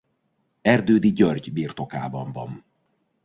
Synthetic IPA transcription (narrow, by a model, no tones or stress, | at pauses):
ɛrd̪øːd̪iɟørɟbiːrt̪o̞ka̰ːbɒɱvɒn